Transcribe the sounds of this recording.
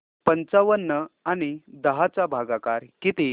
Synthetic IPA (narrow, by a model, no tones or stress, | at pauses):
pənt͡saʋənːəañid̪əɦat͡sabʱaɡakaɾkit̪i